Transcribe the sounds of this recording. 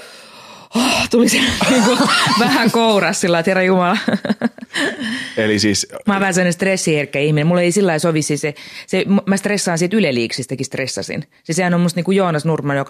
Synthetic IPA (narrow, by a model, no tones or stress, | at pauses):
ot̪uliseniːŋkuʋæhæŋkourɑssilːɑit̪herːɑjumɑlɑ | elisiːsmɑːʋæhænsemːnest̪resːiherkːæihminemmulːeisilːɑisoʋisːisesemmæst̪resːɑːnsit̪ylelːiːksist̪ɑkist̪resːɑ̰sḭn | sesehænomust̪niːkujoːnɑsnurmɑnjok